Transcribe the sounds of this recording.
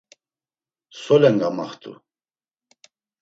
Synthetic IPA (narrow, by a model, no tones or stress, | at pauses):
sɔlɛŋɡama̰χt̪ʰʼṵ